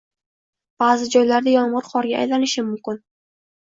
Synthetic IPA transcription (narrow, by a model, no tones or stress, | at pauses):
b̥azɪd͡ʒɒjlaɾd̪ajɒɴʁɨɾχɒɾɡʲaʔa̰jlanɪʃɪmːʊmkʲɪn